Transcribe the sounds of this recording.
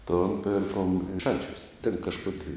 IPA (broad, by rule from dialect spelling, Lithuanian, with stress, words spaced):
toːn ˈpʲɪrkoːm ˈʃɐnʲt͡ʃʲuɔs tʲɛn kɐʃˈkoːkʲɪ